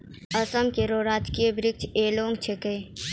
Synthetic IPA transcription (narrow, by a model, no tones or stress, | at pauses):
əsəmkeɾoːɾaːd͡ʒkijebɾɪk̚t͡ʃʰeːloːŋɡt͡ʃʰeke